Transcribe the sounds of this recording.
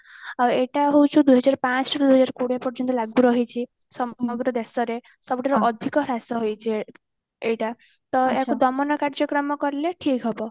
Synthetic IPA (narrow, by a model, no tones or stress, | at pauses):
aweʈaɦowt͡ʃʰũd̪ujɦɔd͡ʒaɾpãt͡ʃʰɔʈd̪uɦɔd͡zaɾkuɽjapɔɾd͡ʒɔnt̪ɔlaɡuɾɔɦit͡ʃʰi | sɔmɔɡɾɔd̪esɔɾe | sɔbʈaɾɔʔɔd̪ʱikɔɾasɔɦojt͡ʃʰi | eʈa | t̪ɔekud̪ɔmɔnɔkaɽd͡ʒɔkɾɔmɔkɔɾleʈʰikɦɔbɔ